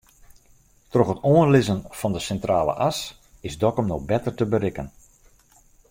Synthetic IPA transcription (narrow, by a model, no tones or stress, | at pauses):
trɔχətoənlɪzənfɑndəsɛntraːlə̰ʔas | ɪzdɔkəmnɔxbɛtərtəbəɾɪkən